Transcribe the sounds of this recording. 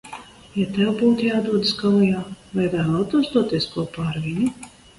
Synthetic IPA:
jat̪ɛwbuːt̪ujaːd̪uɔd̪skalujaːvajvæːlˠaːt̪uɔsd̪uɔt̪iɛskuɔpaːɾvʲiɲu

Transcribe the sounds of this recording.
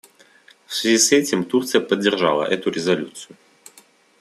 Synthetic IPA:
fsvʲɪzʲisɛtʲɪmt̪urt̪sɨjəpədʲːɪrʐa̰lˠə̰ʔɛt̪ʊɾʲɪzɐlʲut̪sɨjʊ

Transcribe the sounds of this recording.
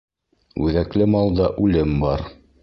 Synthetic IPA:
ʉ̰ðæklɘmɑlˠd̪ɑʔʉlɘmbɑɾ

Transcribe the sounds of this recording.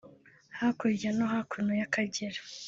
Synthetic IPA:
hakuɾanoɦakʰunojakaɟeɾḁ

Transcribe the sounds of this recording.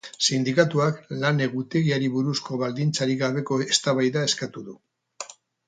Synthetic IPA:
sind̪ikat̪uaklane̞ɣut̪e̞ɣiaɾiβuɾusko̞βald̪int͡saɾiɣaβ̞e̞ko̞est̪aβajðae̞skat̪uðu

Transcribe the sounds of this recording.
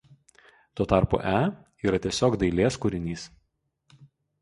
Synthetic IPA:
t̪uɔt̪ɑˑɾpṵːʔæː | iːɾɐt̪ʲiɛsʲoːkd̪ɐɪlʲeːskʊɾʲɪnʲiːs

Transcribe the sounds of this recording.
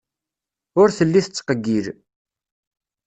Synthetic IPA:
ʊɾθəlːiθət͡sːqəɡːiɾ

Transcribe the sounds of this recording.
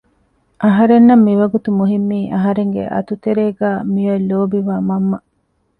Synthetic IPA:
ʔɐɦɐɾenːɐmːiʋɐɡut̪umuɦimːiːʔɐɦɐɾeŋɡḛʔɐ̰t̪ut̪eɾeːɡæːmijɐlːoːbiʋaːmɐmːɐ

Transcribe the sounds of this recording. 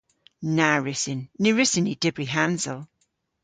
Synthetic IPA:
naɹɪsɪnːiɹɪsɪnid̥ɪbɹiɦãnzəlˠ

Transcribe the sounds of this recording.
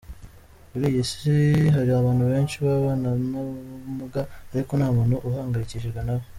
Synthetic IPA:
βuɾijesiɦaɾiaβaːnhuβe̞ːnʃiβaβaːnamumuɡaːɾikonaːmuːnhuʔuhaːŋɡajiciʃiɾɡwanaβo

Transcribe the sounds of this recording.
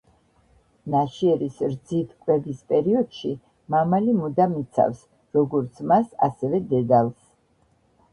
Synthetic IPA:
naʃiɛɾisɾd̪zit̪ʰkʼwɛbispʼɛɾiɔd̪̥ʃi | mamalimud̪amit̪sʰa̰fs | ɾɔɡɔɾt̪sʰmasa̰sɛvɛd̪ɛd̪alˠs

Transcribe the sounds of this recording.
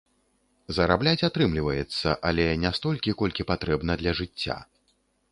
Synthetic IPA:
zɐɾablʲat͡sʲat̪ɾɨmlʲivɐjɛt̪sːɐ̰ʔalʲɛnʲast̪ɔlʲkʲikɔlʲkʲipat̪ɾɛbn̪ɐd̪lʲɐʐɨt͡sʲːa̰

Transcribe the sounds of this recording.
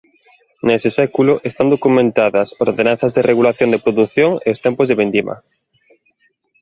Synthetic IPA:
nesɪsɛkulʊʔest̪and̪okumẽnt̪aðɐsoɾðenãn̟θɐzðereɣulaθjond̪epɾoðuθjoŋeost̪ɛmpozðeβend̪imɐ̰

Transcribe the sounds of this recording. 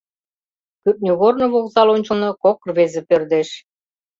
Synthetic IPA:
kyp̚nʲuɣornɤ̆βoɣzɑlonʲt͡ɕə̆lnɤ̆kokrβezĕpørd̪eʃ

